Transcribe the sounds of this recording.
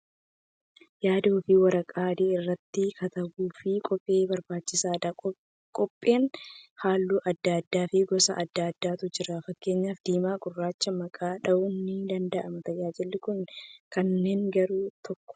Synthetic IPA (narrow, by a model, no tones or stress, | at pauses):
jaːd̪ɐːfɪwɐɾɐkʼaːd̪eːɪrːɐt̪ːɪkʰɐt̪ɐwuːfɪkʼɔpʼːe̞ːbɐɾbaːt͡ʃːɪsaːɐ | kʼɔpʼːe̞ːnhaːlːuːʔɐd̪ːaːd̪ːaːfɪɡɔsɐʔɐd̪ːaːd̪ːaːt̪ʊd͡ʒɪɾɐfɐkːe̞ːɲːaːfd̪iːmaːɡʼʊrːaːt͡ʃːɐmɐkʼaːᶑɐʔunːɪd̪ɐnd̪ɐʔɐmɐt̪ɐd͡ʒaːd͡ʒɛlːɪkʊnkɐnːe̞ːŋɡɐɾuːt̪ɔkːɔ̥